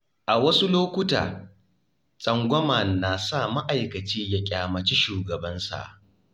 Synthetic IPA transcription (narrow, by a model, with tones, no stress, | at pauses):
ʔa˨wɐ˦su˦loː˦kʷʊ˦ta̰ː˨ | sʼɐ˦ŋɡʷɔ˦mɐ˨nːaː˨sa˦˨ma˦ʔa˨jkɐ˨t͡ʃiː˦ja˦kʲʼaː˨mɐ˨t͡ʃi˦ʃuː˨ɡɐ˨bɐ˦nsa̰˨ʔ